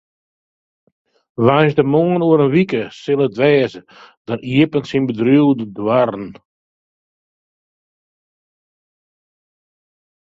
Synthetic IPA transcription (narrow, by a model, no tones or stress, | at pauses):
ʋajnsdəmoŋənuəɾənʋikəsɪlˠətʋɛːzə | d̥ɔniəpənsinbədruwdədwarn̩